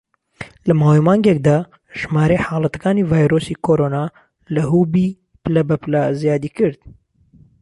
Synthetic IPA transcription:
lɐmaːwimaːŋɡek̚d̪aː | ʒ̥maːɾejħaːlɐt̪ɐ̥kaːniːvaːjɾosiːkʰoːɾoːnaː | lɐɦuːbi | plɐbɐplazijaːd̪iːkɨɾd̪̥

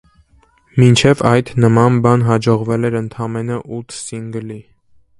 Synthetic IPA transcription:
mint͡ʃʰɛvɑjt̪ʰnəmɑnbɑnɦɑd͡ʒɔʁvɛlɛɾənt̪ʰɑmɛnəʔut̪ʰsiŋɡəli

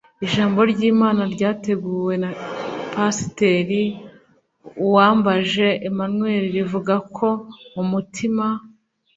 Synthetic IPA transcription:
iʒaːmbo̞ɾɟiːmaːnaɾɟaːte̞ɡuːwe̞napasi̥te̞ɾi | uwaːmbaʒe̞ːmanwe̞ːɾiɾivuɡakʰo̞umutʰima

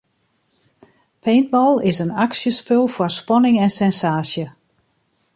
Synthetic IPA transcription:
pʰeːnt̚bɔlˠɪsənaksjəspølˠfɔrspɔnɪŋɛnsɛnsaːsjə

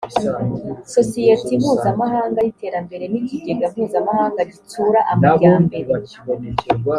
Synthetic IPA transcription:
so̞sijetimhuːzamaɦaːŋɡajite̞ːɾambe̞ɾe̞niciɡe̞ɡamuːzamahaːŋɡaɟit͡suːɾaʔamɡaːmbe̞ɾe

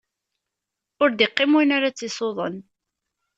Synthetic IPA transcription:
ʊɾd̪ɪqːɪmunaɾat͡sːɪsˤoðˤə̰n

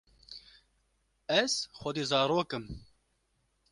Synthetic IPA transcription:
ɛz̥xʷɔd̪iːzɑːɾoːkɨm

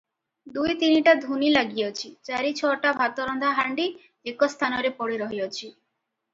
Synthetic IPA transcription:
d̪ujt̪iniʈad̪ʱunilaɡijɔt͡ʃʰit͡ʃaɾit͡ʃʰɔʈabʱat̪ɔɾɔnd̪ʱaɦaɳɖi | ekɔst̪ʰanɔɾepɔɽiɾɔɦijɔt͡ʃʰi

